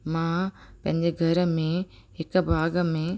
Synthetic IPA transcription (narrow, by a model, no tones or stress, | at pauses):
mãːpɐ̃ɦɪ̃ɲd͡ʑeːɡʱɐɾəmẽ | ɦɪkbʱaːɡəmẽ